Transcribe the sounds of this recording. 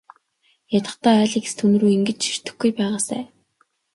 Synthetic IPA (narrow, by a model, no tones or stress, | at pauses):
jat̪ə̆t̪æːɮiːke̥st̪ʰɵnɵ̆ɾuːiŋɡɘ̆t͡ɕʃi̥r̥t̪ɘ̆xɡujpæːʁaːsæ̰ː